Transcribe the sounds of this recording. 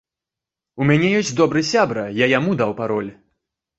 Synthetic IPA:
umʲanʲɛjɔs̬ʲt͡sʲd̪ɔbɾɨsʲabɾɐjajamud̪awpaɾɔlʲ

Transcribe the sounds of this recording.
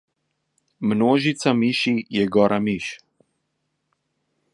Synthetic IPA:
mnoːʒit̪samiʃijɛɡɔɾʔamiʃ

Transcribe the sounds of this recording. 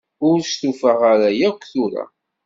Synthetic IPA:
ʊɾst̪ufəʁaɾajækʷːθʊɾa̰

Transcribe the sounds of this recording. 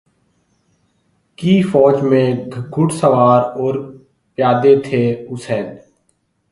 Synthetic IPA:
kiːfɔːd͡ʒmẽɡʱʊʈsəʋaːɾɔːɾ | pjaːd̪et̪ʰeːʊsɛːn

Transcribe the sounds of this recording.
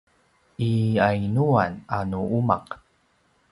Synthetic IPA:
ʔiainuananuʔuma̰q

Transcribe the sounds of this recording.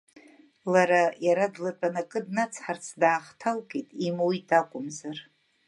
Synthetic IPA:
laɾajaɾadlat͡pʼanakʼɨdnat͡sʰħart͡sʰdaːχtʰalkʼetʼimuwitʰakʷʼʊmzar

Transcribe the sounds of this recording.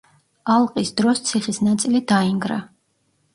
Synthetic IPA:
alˠqʼisd̪ɾɔst̪sʰiχisnat̪sʼilid̪aiŋɡɾa

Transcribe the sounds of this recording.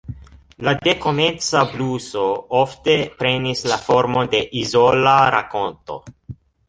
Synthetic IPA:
lade̞ko̞me̞nt͡sabluso̞ofte̞pɾe̞nislafo̞ɾmo̞de̞ʔizolaɾa̰ko̞nto̞̰

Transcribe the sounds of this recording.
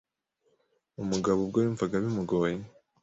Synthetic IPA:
umuɡaβobɡoɾiːɱvaɡaβimuɡoːje

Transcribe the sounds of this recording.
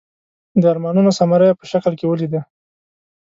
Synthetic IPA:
d̪əaɾmɑnunosamaɾəjapəʃaklkewəlid̪a

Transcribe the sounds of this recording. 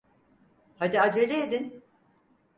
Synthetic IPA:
had̪iad͡ʒelʲeed̪in

